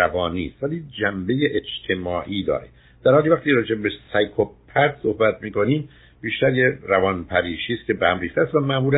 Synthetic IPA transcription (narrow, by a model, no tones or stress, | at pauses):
ævɒːniːst̪væliːd͡ʒæmbe̞jeʔed͡ʒt̪ʰe̞mɒːʔiːd̪ɒ̰ːɾe | d̪̥æɾhɒːliːvæχt̪iɾɒːd͡ʒebbesæjkʰopʰæt̪sohbæt̪miːko̞niːm | biːʃt̪æɾjerævɒnpʰæɾiːʃiːst̪̚cʰe̞behæmriːxt̪eæst̪væmæʔmuːɾæ